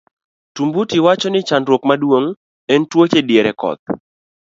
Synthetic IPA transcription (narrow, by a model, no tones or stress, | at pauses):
tumbutiwat͡ʃɔnɪt͡ʃandɾwokmadwoŋ | ɛntwot͡ʃedjeɾɛkɔ̰t̪̚